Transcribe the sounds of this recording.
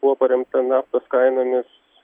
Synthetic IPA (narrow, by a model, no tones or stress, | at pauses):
bʊʋɔpɐɾʲɛmt̪ɐnɑːft̪oskɐɪnoːmʲɪs